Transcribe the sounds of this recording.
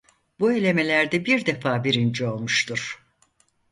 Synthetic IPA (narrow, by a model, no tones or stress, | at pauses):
bue̞lʲe̞me̞lʲæɾd̪ɛbiɾd̪e̞faːbiɾind͡ʒio̞lˠmuʃt̪ʰuɾ̥